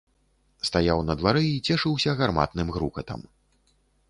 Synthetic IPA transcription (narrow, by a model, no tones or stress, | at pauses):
st̪ajawnɐd̪vaɾɨit͡sʲɛʂɨwsʲɐɣarma̰t̪nɨmɣɾṵkɐt̪ɐ̰m